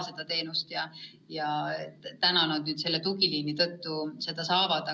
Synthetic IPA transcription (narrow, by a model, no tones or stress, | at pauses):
se̞d̪̥ɑt̪e̞ːnust̪jɑ | jɑet̪t̪ænɑnɑd̪̥nyːd̪̥se̞lːet̪uɡiliːnit̪ɤt̪ːuse̞d̪̥ɑsɑːvɑd̪̥ɑ